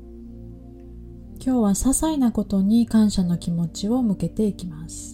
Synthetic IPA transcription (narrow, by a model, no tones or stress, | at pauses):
kʲo̞ːβasasainako̞t̪o̞ɲ̟ikãɰ̃ɕano̞kʲimo̞t͡ɕio̞mɯ̟ke̞t̪e̞ikʲimasɨ̥